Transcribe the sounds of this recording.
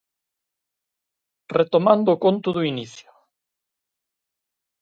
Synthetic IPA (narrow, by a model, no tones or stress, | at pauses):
ret̪omãnd̪ʊːkont̪ʊðuiniθjʊ